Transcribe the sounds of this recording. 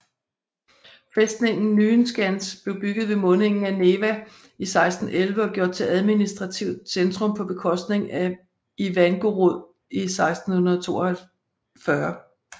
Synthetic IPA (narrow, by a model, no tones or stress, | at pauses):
fesd̥ne̝ŋ̰n̩ːyːnsɡ̥ænsb̥le̝ʊb̥yɡ̥ð̩ˠʋe̝mɔ̽ne̝ŋn̩æne̝ːʋæ | isɑ̈ɪsd̥n̩elʋəɒɡ̥jo̝ɐ̰d̥̚t͡sʰe̝lʔæð̞ˠminisd̥ʁɑ̈t͡sʰiʊd̥send̥ʁɔ̽mpʰɒ̽b̥e̝kʰɒ̽sd̥ne̝ŋæ | iʋænɡ̥o̝ʁoð̰ˠ | isɑ̈ɪsd̥n̩hunɐð̩ˠt͡sʰo̝̰ːɒhæ | fɶɐ